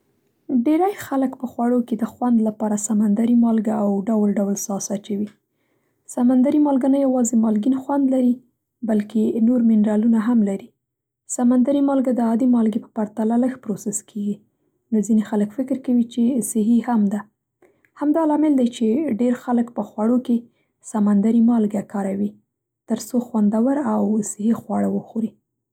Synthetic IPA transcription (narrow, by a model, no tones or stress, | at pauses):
ɖeɾajxaləkpəxwaɽoked̪əxwand̪lapɑɾasamand̪aɾimɑlɡaawɖawlɖawlsɑsat͡ʃawi | samand̪aɾimɑlɡanajawɑzemɑlɡinxwand̪laɾi | balkenoɾmɪnɾɑlunaɦamlaɾi | samand̪aɾimɑlɡad̪əɑd̪imɑlɡepə̥paɾt̪alaləxpɾosɪskʰeɡi | nozinexaləkfɪkɪɾkawit͡ʃesɪɦihamd̪a | hamd̪ɑlɑmɪld̪ajt͡ʃeɖeɾxaləkpəxwaɽoke | samand̪aɾimɑlɡakɑɾawi | t̪əɾsoxwand̪awaɾawsɪɦixwɑɽawəxoɾi